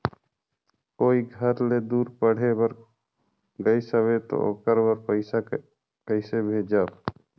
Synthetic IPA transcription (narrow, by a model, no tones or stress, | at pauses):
koːiɡʱəɾled̪uːɾpəɽ̤ebəɾ | ɡəisəʋet̪o̰o̰kəɾbəɾpəɪsa | kəɪsebʱeːd͡ʒaːb